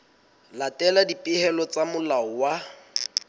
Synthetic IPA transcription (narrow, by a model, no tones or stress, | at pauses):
latʼɛladipʼɪhɛlɔt͡samʊlaɔwa